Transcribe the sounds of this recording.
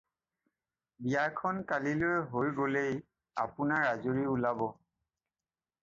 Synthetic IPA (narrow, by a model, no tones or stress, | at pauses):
bijakʰɔnkalilojɦojɡolej | a̰pʊnaɹazoɹiulabɔ